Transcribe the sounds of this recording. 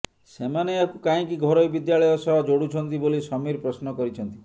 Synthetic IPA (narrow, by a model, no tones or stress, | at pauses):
semaneakukaĩkiɡʱɔɾɔjbid̪jaɭɔjɔsɔbɔd͡ʒoɽut͡ʃʰɔnt̪ibolisɔmiɾpɾɔsnɔkɔɾit͡ʃʰɔnt̪i